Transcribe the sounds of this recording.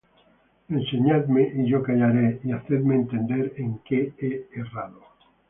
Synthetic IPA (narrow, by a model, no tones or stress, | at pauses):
ẽnseɲaðmeʔiʝokaʎaɾeiaθeðmeːnt̪end̪eɾeŋkeeeraðo